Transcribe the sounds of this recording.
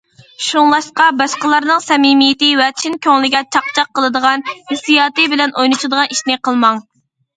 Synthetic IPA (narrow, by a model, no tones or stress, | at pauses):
ʃuŋlˠɑʃqɑbɑʃqəlˠɑɾnɨŋsɛmimijɪt̪ɪwɛt͡ʃʰinkʲʰøŋlɪɡʲɛt͡ʃʰɑq̚t͡ʃʰɑqʰːəlˠɨd̪əʁɑnhɪsijɑːt̪ɨbɪlɛnʔojnɨt͡ʃʰɨd̪əʁɑniʃnɪqʰəlˠmɑŋ